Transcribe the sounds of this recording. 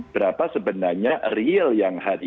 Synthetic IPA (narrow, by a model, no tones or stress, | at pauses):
bəɾapasəbənarɲariəljaŋhaɾi